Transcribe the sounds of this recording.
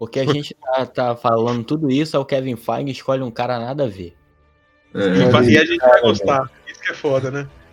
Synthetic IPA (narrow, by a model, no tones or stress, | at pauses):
poɾkeaʒẽnt͡ʃɪt̪at̪afalɐ̃nd̪ʊt̪ud̪ʊisʊɛʊkɛvĩfãj̃ɡɪʃkɔʎɪũkaɾɐanad̪ɐve | ɛɛifaiaʒẽnt͡ʃvajɡost̪a | isʊ̥kɛfɔd̪ɐnɛ